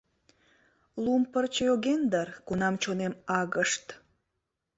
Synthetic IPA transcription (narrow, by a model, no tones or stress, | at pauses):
lumpərt͡ɕəjoɣend̪ərkunɑmt͡ɕonemɑɣəʃt̪